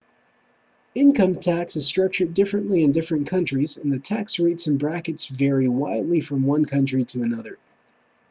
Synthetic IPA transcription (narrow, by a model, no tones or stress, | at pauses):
ɪ̃nkʰʌ̃mtʰæksɨz̥stɹ̥ʌk̚t͡ʃə˞dɪfɹɨ̃nʔliɨ̃ndɪfɹɨ̃nkʰʌ̃nt͡ʃɹ̥izɨ̃nðɨtʰæksɹeɪtsɨ̃n̩bɹækɨtsvɛɹiwaɪdˡlifɹʌ̃mwʌ̃nkʰʌ̃nt͡ʃɹ̥iɾɨənʌðə˞